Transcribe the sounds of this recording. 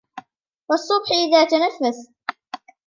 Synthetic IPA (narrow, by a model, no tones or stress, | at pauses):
wɑsˤːʊbħʔɪðaːt̪anafːas